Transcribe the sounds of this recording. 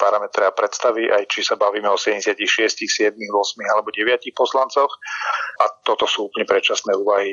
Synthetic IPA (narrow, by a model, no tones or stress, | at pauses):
paɾamɛt̪ɾɛapɾɛt̪st̪aʋiʔajt͡ʃisabaʋiːmɛɔsɛɟɛɲɟɛsɪacixʃɪɛscixsɪɛd̪̚miɣʋɔsmiɣalɛbɔɟɛʋɪacixpɔslant͡sɔʊʔat̪ɔt̪ɔsuːuːpəlɲɛpɾɛt͡ʃasnɛːuːʋaɦi